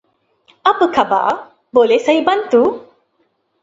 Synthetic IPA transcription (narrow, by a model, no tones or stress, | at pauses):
apəkʰaba̰ʔ | bolesajbɐnt̪u